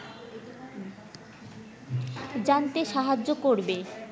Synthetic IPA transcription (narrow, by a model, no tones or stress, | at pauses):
d͡ʑant̪eʃaɦad͡ʑːokoɾbe